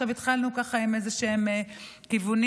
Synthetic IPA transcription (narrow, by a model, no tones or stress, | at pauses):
avit̪χalnukaχaimezeʃeeme | kivun